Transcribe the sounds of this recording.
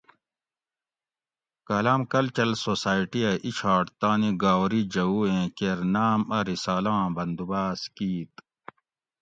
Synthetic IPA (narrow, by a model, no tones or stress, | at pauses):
kɐlaːmkɐlt͡ɕɐlsoːsaːjʈiɐʔiɕʰaːʈt̪ãːniɡaːwɾid͡ʑɐuːẽːkeɾnaːmɐɾisaːlãːbɐnd̪ubaːskiːt̪